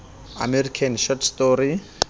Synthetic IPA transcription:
a̰mɛrikʰanʃɔtʰstɔɾi

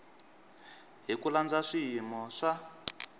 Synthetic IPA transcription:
ɦikuland͡zaʂiɦimɔʂa

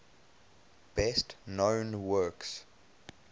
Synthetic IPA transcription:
b̥ɛstnõʊnwɜks

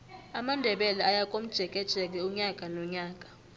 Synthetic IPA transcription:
amandʱɛɓɛlaajak̬ʼom̩d̥ʒ̥ʱɛk̬ʼɛd̥t͡ʃʰʼɛk̬ɛuɲak̬ʼanɔɲaːk̬ʼḁ

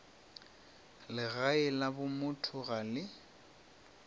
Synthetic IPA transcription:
lɪɣaɪlabʊmʊtʰʊɣalɪ

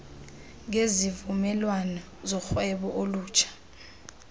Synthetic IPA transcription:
ŋezivumɛlwanɔ | zɔxwɛɓɔʔoluːt͡ʃʰḁ

